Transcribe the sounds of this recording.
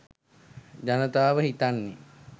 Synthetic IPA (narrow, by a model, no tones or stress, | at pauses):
d͡ʒanət̪aːʋəɦit̪anːe